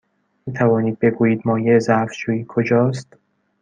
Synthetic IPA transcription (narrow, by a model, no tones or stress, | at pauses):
miːt̪ʰævɒːniːd̪̚be̞ɡuːjiːd̪mɒːjeezæfd͡ʒuːiːkʰod͡ʒɒːst̪